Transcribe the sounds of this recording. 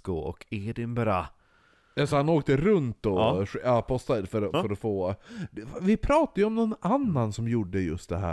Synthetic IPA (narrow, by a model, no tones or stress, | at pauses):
kʊɔ̰kʰeːd̪ɪmbɛɾa | asɔhanoːk̚t̪əɾɵnt̪ɔʂjɑːpʰɔst̪afœɾɔfœɾɔfoːd̪ɛvɪpʰɾɑːt̪ajɔmnɔnanːansɔmjuɖːəjɵ̰st̪̚d̪ɛɦæ̰ː